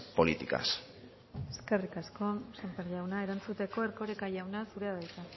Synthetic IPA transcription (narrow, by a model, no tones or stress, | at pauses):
po̞lit̪ika̰s | e̞ske̞rikasko̞sempeɾʎawnae̞ɾant͡sut̪e̞ko̞eɾko̞ɾekaʝawnasuɾeaðajt̪a